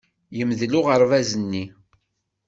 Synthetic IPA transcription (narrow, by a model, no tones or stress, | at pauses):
jəmðlʊʁəɾˤvæzənːi